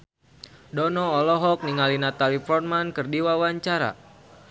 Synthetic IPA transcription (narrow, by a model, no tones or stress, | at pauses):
dɔnɔːlɔɦɔk̚niŋalinat̪alifɔrmankɨrdiwawaɲt͡ʃaɾa̰